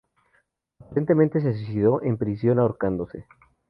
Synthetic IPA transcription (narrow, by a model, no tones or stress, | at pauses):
apaɾent̪e̞mẽnt̪e̞s̬e̞s̬us̬iðo̞ʔe̞mpɾisjo̞naoɾkand̪o̞se̞̰